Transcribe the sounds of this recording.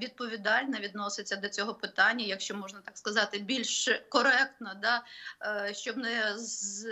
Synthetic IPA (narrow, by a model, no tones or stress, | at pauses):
ʋʲid̪̚pɔʋʲid̪ɑlʲnɐʋʲid̪nɔsɪt͡sʲːɐd̪ɔt͡sʲɔɦɔpɪt̪ɑnʲːɐjɐkʃt͡ʃɔmɔʒnɐt̪ɑkskɐzɑt̪ɪbʲilʲʃkɔɾɛk̚t̪nɐd̪ɑ | ʃt͡ʃɔbnɪz